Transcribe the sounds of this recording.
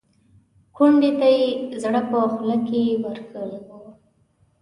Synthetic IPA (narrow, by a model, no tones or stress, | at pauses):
kuɳɖet̪ajezɽapəxlakewaɾkʰəla